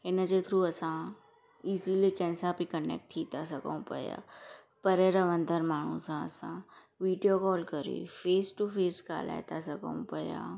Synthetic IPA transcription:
ɪnd͡ʒet̪ʰɾuɐsã | ɪsiliekɛ̃ːnsapikɐɳḛːk̚ʈ̪ʰiːt̪asɐkõ̰pɐ̰ja̰ː | pɐɾeɾəʋə̃nd̪ʱəɾmaːɳ̤ũsãɐ̰sã | ʋiːɖijokɔːlkəɾḭːfeːsʈufʰeːska̰ːla̰ːjt̪asɐkõ̰pɐja̰ː

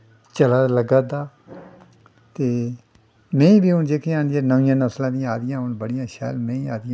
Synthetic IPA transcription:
t͡ʃəlaːləɡaːd̪aː | t̪eː | mɛ̃ːĩːbiːʊnd͡ʒeːkʰẽãːnd̪jaːnəʋɪjãːnəslãːd̪ɪjãːaːd̪ɪjãːɦʊnbəɽɪjãːʃɛ̰ːlmɛ̃ːĩːaːd̪ɪjã

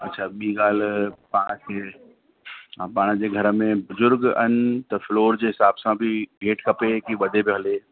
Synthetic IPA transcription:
ɐtːʃʰaːɓiːɡaːlpaːɽ̃kʰeː | paːɽ̃d͡ʑeːɡʱɐɾəmẽbʊzʊɾɡɐ̰nɪ̆t̪ɐfloːɾd͡ʑeːɦɪsaːbsãbʱɪɡʱeːʈkɐpekiʋɐd̪ʱebʱiɦɐleː

